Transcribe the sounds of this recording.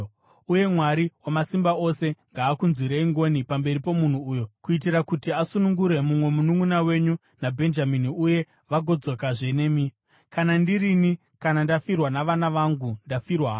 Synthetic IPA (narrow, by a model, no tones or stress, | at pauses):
uje̞mwaɾiwamasimbao̞se̞ŋɡaːkunzwiɾeiŋɡo̞nipambe̞ɾipo̞mun̤uːjo̞kuit̬iɾakutiasunuŋɡuɾe̞mumwe̞munuŋunawe̞ɲu | nabʱe̞nd͡ʒaminiuje̞ | ʋaɡʱo̞d͡zo̞kaʐe̞ne̞mi | kanandirini | kanandafirwanaʋanaʋaŋɡundafirwaɦ